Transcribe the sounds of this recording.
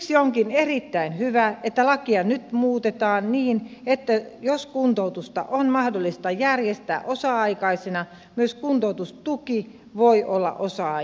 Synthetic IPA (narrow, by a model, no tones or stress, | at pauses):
sioŋkinerit̪ːæinhyʋæet̪ːælɑkiɑnyt̪muːt̪et̪ɑːnniːnet̪ːæjoskunt̪out̪ust̪ɑ̰ʔonmɑhdolːist̪ɑjærjest̪æ̰ːʔosɑɑikɑisenɑ | myøskunt̪out̪ust̪uki | ʋoiolːɑ̰ʔosɑ